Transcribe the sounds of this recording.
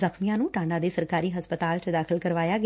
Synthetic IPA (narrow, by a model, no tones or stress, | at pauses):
zəkʰmijãːnũːʈãːɳɖaːd̪eːsəɾkaːɾiːɦəspət̪aːlt͡ʃəd̪aːkʰəlkəɾʋaːjaːɡ